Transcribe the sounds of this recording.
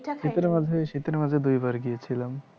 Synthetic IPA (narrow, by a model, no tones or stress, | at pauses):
ʃit̪ɾemad͡zʱeʃit̪ɾemad͡zʱed̪ujbaɾɡijet͡ɕʰilam